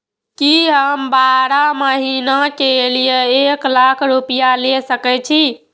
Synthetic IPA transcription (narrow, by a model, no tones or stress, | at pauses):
kiɦəmbaɾaməɦinakelijeeklakʰɾupijalesəkɛt͡ʃʰi